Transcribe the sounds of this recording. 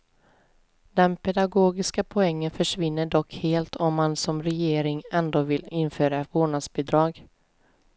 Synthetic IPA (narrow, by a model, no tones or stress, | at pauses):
d̪ɛnpʰɛd̪aɡoːɡɪskapʰɔɛŋːənfœʂvɪnːəɖɔkheːlt̪ʰɔmːansɔmɾɛjeːɾɪŋɛnd̪oːvɪlɪnføːɾavoːɳasbɪd̪ɾɑːɡ